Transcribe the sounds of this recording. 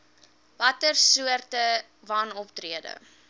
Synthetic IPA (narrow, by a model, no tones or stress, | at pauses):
vɐtərsuərtə | vɐnɔptriədə̰